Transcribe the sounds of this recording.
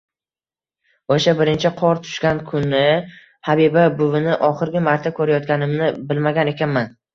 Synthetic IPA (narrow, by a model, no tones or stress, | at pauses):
oʃabɪɾɪnt͡ʃʰɪqʰɒɾt̪ʰʊ̥ʃkʲɡʲankʰʊnːɪ | habibabʊvɪnɪʔɒχɨɾɡʲɪmaɾt̪ʰakʰɵɾajɒt̪̚ɡʲanɪmnɪbɪlmaɡʲane̞kʲʰanman